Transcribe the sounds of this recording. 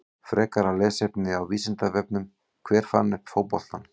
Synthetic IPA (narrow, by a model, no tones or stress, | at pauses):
fɾɛːkaɾalɛːsepnɪawviːsɪnt̪avɛpnʏm | kʰvɛːɾ̥fanːɪfoːwpɔl̥t̪an